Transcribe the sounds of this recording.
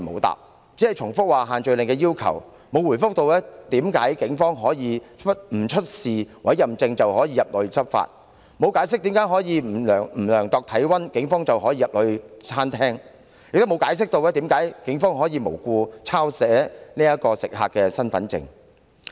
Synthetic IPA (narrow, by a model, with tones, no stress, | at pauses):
mo̰˨˧wt̪a̰ː˨p̚ | t͡si˨˥ɛ˨˩jt͡ʃʰʊ˨˩ŋfʊ˥k̚waː˨ɦaː˨nt͡ʃɵ˨ɥlɪ˨˩ŋkɛː˧jiː˥wkʰɐ̰˨˩w | mo˨˧wu˨˩jfʊ˥k̚t̪o˧wɛː˥t̪iː˨˥mkaː˨˥jkɪ˨˥ŋfɔː˥ŋɦɔː˨˥jiː˨˧t͡ʃʰt̚m̩˨˩t͡ʃʰɵ˥t̚siː˨˩wɐ˨˥jɐ˨mt͡sɪ˧ŋt͡sɐ˨whɦɔː˨˥jiː˧jɐ˨p̚lɵ˨˧ɥt͡sɐ˥p̚fa̰ː˧t̚ | mo˨˧wkaː˨˥js̬ɪ˥k̚t̪i˨˥mkaː˨˥jɦɔː˨˥jiː˨˧m̩ː˨˩˨ŋm̩ː˨˩lœː˨˩ŋt̪ɔː˨k̚t̪ʰɐ˨˥jwɐ˥nkɪ˨˥ŋfɔː˥ŋt͡sɐ˨wɦɔː˨˥jiː˧jɐ˨p̚lɵ˨˧ɥt͡sʰaː˥nt̪ʰɛː˥ŋ | jɪ˨kt̪o˥wmo˨˧wkaː˨˥js̬ɪ˥k̚t̪o˧wɛː˥t̪i˨˥mkaː˨˥jkɪ˨˥ŋfɔː˥ŋɦɔː˨˥jiː˨˧mo˨˩wkuː˧t͡sʰaː˥wsɛː˨˥niː˥jɐ˥kɔː˧sɪ˨k̚ɦa̰ː˨kːɛː˧sɐ˥nfɐ˨˥nt͡sɪ̰˧ŋ